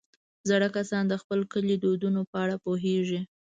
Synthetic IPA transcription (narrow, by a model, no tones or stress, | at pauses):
zaɽakasɑnd̪əxpəlkəlid̪od̪unopəaɽapoɦeʒi